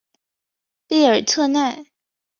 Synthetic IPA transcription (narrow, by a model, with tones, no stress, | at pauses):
pe˥˩ɪə˞˨˩t̪ʰɤ˥˧na˥˩ɪ